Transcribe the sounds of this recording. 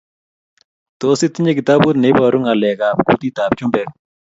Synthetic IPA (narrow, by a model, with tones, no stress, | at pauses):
t̪osi˦t̪ːi˦ɲe˦ki˨t̪a˦bu˦t̪ne˨˦ba˨ɾu˦ŋa˨lɛ˨ka˨pkṵ˦t̪i˦t̪a˨p̚t͡ʃu˦mbɛ˨